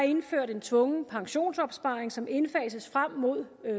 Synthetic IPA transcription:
e̝nføɐ̰ɾ̥e̝nt͡sʰʋɔ̽ŋəpʰɑ̈ŋɕo̝̰ːnsɒ̽b̥sb̥ɑ̈ːeŋsɒ̽me̝nfɛːsəsfʁam̰ːo̝ð̞̰ˠ

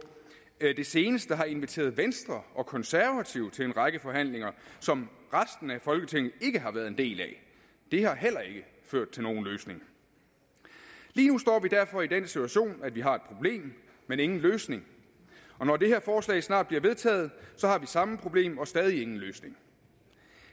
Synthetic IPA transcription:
d̥e̝se̝ːnəsd̥əɦɑ̈e̝nʋit͡sʰe̝̰ːɐðˠʋensd̥ʁɐɒ̽kʰɒ̽nsæɐʋæt͡sʰiʊ̰t͡sʰe̝le̝nʁɑ̈ɡ̥əfɒ̽ɦæn̰le̝ŋɐsɒ̽mʁasd̥n̩æfɒ̽lɡ̥ət͡sʰeŋ̰ð̩ˠe̝ɡ̥əɦɑ̈ʋæːɐðˠe̝nd̥e̝̰ːlɛ̰ | d̥e̝hɑ̈ɦel̰ɐe̝ɡ̥ə | føɐ̰d̥̚t͡sʰe̝lno̝ːn̩løːsne̝ŋ | liːnusd̥ɒ̰ːʋid̥æɐfɒ̽id̥en̰sit͡sʰuæɕo̝̰ːnæd̥ʋiɦɑ̈e̝d̥̚pʰʁo̝b̥le̝̰ːmː | ene̝ŋn̩løːsne̝ŋ | ɒ̽nɒd̥e̝ɦeɐfɒːslɛ̰ːɪsnɑ̰̈ːd̥̚b̥liɐʋe̝ð̞ˠt͡sʰɛ̰ːð̞̩ˠsɒ̽hɑ̈ʋisɑ̈məpʰʁo̝b̥le̝̰ːmɒ̽sd̥ɛːð̞ˠie̝ŋn̩løːsne̝ŋ

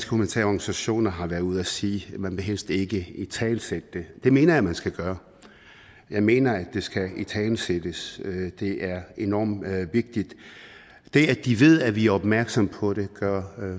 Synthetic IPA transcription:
sɡkʰumænt͡sʰɛ̰ːɒɡ̥nisæɕo̝̰ːnɐɦɑ̈ʋæɐuð̰ˠæsiːmænʋe̝ɦel̰sd̥e̝ɡ̥əit͡sʰɛːnsed̥əd̥e̝d̥e̝me̝ːnɐjɑmænsɡ̥æɡ̥ɶːɐ | jɑ̈ɪme̝̰ːnɐæ̥e̝sɡ̥æit͡sʰɛːnsed̥əsød̥e̝ʔæɐenɒ̰ːmʋe̝ɡ̥̚d̥id̥ | d̥e̝æd̥iʋe̝ð̞̰ˠæʋiæɐɒ̽b̥mæɐɡ̥sɒ̽mpʰɒ̽ɾ̥e̝ɡ̥ɶɐ̰

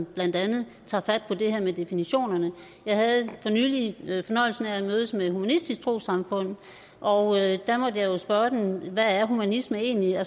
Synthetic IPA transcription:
b̥læn̰d̥ænð̩ˠ | t͡sʰɑ̰̈ːfæd̥̚pʰɒ̽d̥e̝hæɐ̰med̥e̝finiɕo̝̰ːnɐnə | jɑ̈ɪɦæð̩ˠfɒ̽nyːlifɒ̽nɒ̽ɪ̰l̩sn̩æd̥møːðˠəsmehumænisd̥isɡ̥̚t͡sʰʁo̝̰ːsɑ̈mfɔ̽n̰ðˠ | ʔɒ̽ʊød̥æmɒ̽d̥əjɑ̈ɪjo̝sb̥ɶɐd̥emʋææɐɦumænisməe̝̰ːnliæ

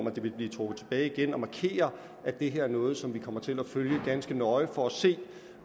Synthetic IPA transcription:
m̰æd̥e̝ʋe̝lb̥liːt͡sʰʁob̥ð̩ˠt͡sʰe̝̥b̥ɛːɪiɡ̥enɒ̽mɑ̈kʰe̝̰ːɐ | ʔæd̥e̝ɦe̝ɐæɐnɔ̽ːð̞̩ˠsɒ̽mʋikʰɒ̽m̰ɐt͡sʰe̝læføljəɡ̥ænsɡ̥ənɒ̽ɪfɒ̽æse̝̰ː

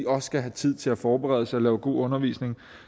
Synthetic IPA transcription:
iɒ̽ssɡ̥æɦæt͡sʰið̞̰ˠt͡sʰe̝æfɒːb̥eʁɛ̰ðˠəsɑɒlɛːʊɡ̥o̝̰ːɔ̽nɐʋḭsne̝ŋ

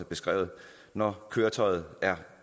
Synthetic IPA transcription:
əb̥e̝sɡ̥ʁɛ̰ːʊð̩ˠ | nɒkʰøːɐt͡sʰɒɪð̞̩ˠæɐ

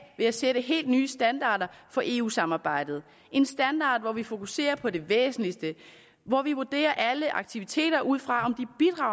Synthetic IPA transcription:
ʋe̝æseɾəɦe̝̰ːld̥nyːəsd̥ænd̥ɑ̰̈ːd̥ɐfɒ̽ʔe̝̰ːṵːsɑ̈mɑ̈ːb̥ɑ̈ɪ̰d̥ð̞̩ˠ | ʔe̝nsd̥ænd̥ɑ̈ːd̥ʋɒʋifo̝kʰuse̝̰ːɐpʰɒ̽de̝ʋḛːsn̩lisd̥ə | ʋɒʋiʋud̥e̝̰ːɐʔæləʔɑ̈ɡ̥̚t͡sʰiʋit͡sʰe̝̰ːɾɐʔuð̞̰ˠfʁɑ̈ɒ̽md̥ib̥id̥ʁɑ̈ʊ̰

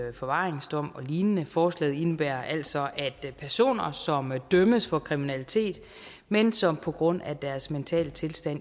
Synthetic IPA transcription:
fɒ̽ʋɑ̈ːʁeŋsd̥ɒ̽m̰ɒ̽liːnənəfɒːslɛ̰ːð̩ˠe̝nəb̥æɐʔæl̰d̥sɒ̽ʔæd̥pʰæɐso̝̰ːnɐsɒ̽md̥œməsfɒ̽kʰʁiminælit͡sʰe̝̰ːd̥ | mensɒ̽mpʰɒ̽ɡ̥ʁɔ̽n̰æd̥æɐsment͡sʰɛ̰ːlət͡sʰe̝lsd̥æn

